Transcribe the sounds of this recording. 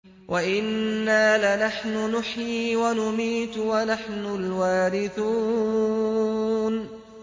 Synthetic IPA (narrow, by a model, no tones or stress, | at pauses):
wʔaʔɪnːaːlɪnaħnʊnʊħjiːwanʊmiːt̪wanaħnʊlwaːɾɪθuː | n